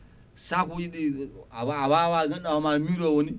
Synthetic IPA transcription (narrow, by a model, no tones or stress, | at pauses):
sakojiɗe | abawaɡanawamamiɾowoni